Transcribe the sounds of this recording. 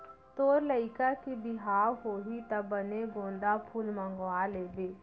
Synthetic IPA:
t̪oːɾləɪkakibɪɦaːwɦoːɦit̪ɐbəneɡõːnd̪apʰuːlmə̃ŋɡwaleːd̪eː

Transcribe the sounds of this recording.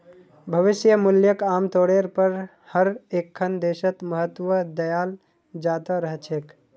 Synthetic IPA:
bʱəʋɪsjəmʊljəkamt̪oɽeɾpəɾ | həɾekʰːənd̪esət̪məɦət̪ːʋəd̪əjaːl | d͡ʒat̪əɾəɦt͡ʃʰek

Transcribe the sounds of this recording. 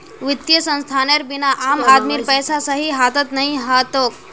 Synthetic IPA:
ʋɪt̪jəsə̃nst̪ʰaːneɾbɪnaʔaːmaːd̪miɾpɛjsasəɦiɦaːt̪ət̪nɐɦĩɦat̪oːk

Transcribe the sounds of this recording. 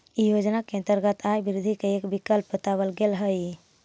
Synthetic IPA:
ijod͡ʒnakeə̃nt̪əɾɡət̪ʰajbiɾud̪ʱikeekbikəlpbət̪awəlɡelɦəj

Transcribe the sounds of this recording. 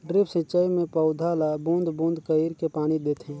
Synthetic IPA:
ɖɾɪpʰsɪt͡ʃaimẽpəʊd̪ʱalabũnd̪ʱbũːnd̪ʱkəiɾkepaːɽ̃id̪eːt̪ɦɛ̃ː

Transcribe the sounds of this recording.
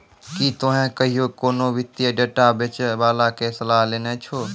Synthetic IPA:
kit̪oɦẽkəɦijokoːnoʋɪt̪ijəɖeːʈabet͡ʃʋaːlakesəlaːɦleːnet͡ʃʰoː

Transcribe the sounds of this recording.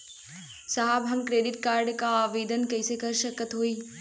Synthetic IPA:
saɦəbɦɐmkɾeːɖɪʈkaːɾɖkaaːʋeːd̪ənkɐɪsekɐɾʃəkət̪ɦoːi

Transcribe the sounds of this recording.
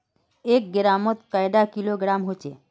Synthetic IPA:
ek̚ɡəɾamət̪kajɖ̪akiloɡɾamɦot͡ʃḛ

